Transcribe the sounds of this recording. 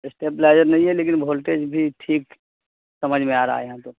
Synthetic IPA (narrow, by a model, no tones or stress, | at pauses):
ɪsʈeːplaɪd͡ʒəɾnɐɦĩɦɛleːk̬ɪnbʱoːlʈeːd͡ʒbʱiʈʰiːk | sɐməd͡ʒʱmẽaːɾa̰a̰ejɦãt̪o